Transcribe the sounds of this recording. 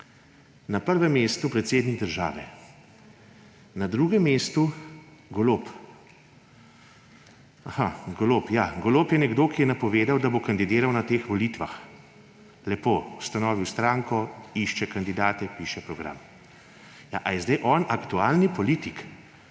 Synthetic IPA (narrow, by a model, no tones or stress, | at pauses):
napəɾʋɛmːeːst̪upɾɛt̪seːd̪niɡ̚d̪əɾʒa̰ːʋɛ | nad̪ɾuːɡɛmːeːst̪uɡoloːp | axaɡolopjaːɡoloːpjɛnɛɡd̪oːkijɛnapɔʋeːd̪awd̪abokand̪id̪eːɾawnat̪eːxʋɔlit̪ʋax | lɛpoːust̪anɔːʋiwst̪ɾaːŋkɔiʃt͡ʃɛkand̪id̪aːt̪ɛpiːʃɛpɾɔɡɾa̰ːm | jaʔajɛzd̪ajʔɔnʔakt̪ualnipɔliːt̪ik